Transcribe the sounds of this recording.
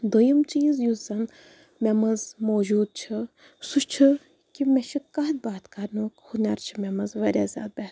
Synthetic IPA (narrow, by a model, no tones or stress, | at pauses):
d̪ojɐmt͡ʃiːzjuzɐn | mʲɛmɐzmoːd͡ʒuːd̪̚t͡ʃʰɨ | suʃt͡ʃʰɨ | kimʲeʃʰikɐd̪̚baːt̪kɐɾnuːkhunʲɐɾt͡ʃʰimʲɛmɐzʋɐɾʲaːzʲa̰ːd̪̚bɐ